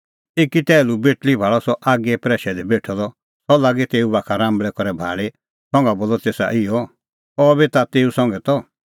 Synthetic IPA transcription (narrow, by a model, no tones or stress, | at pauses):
eːkit̪ɛːlubeʈlibʱaːɭɔsɔʔaːɡɛpɾɛːʃɛd̪ɛbeʈʰɔd̪ɔ | sɔlaːɡɛt̪eːubakʰaɾãːmbɭɛkɔɾɛbʱa̰ːɭe | sɔ̃ŋɡaboːlɔt̪eːsa̰ʔɪɔ | ɔbɛt̪at̪eːusɔ̃ŋɡɛt̪ɔ